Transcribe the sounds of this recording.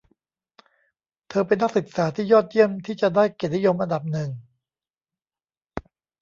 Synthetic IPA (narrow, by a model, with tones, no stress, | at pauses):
t̪ʰɤː˧pe˧nːa˦˥˩k̚sɯ˨˩k̚saː˩˦t̪ʰiː˥˩jɔː˥˩t̪̚ji˥˩əmt̪ʰiː˥˩t͡ɕa˨˩daː˥˩jke˨˩t̚ni˦˥jo˧mʔa˧nda˨˩p̚nɯ˨˩ŋ